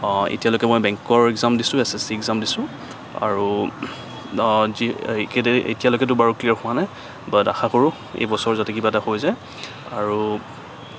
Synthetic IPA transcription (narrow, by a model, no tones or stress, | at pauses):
ḛtijalojkɛmojbɛ̃ŋkɔɹɛɡzamdisʊ̃ɛsɛsiɛɡzamdisʊ̃ | a̰ɹu | zikeḛtijalojkɛt̬ʊbaɹukliaɹxʊwanaj | bada̰xʰakoɹʊ̃ | ḛjbɔsɔɹzatɛkibatahojzaj | aɹu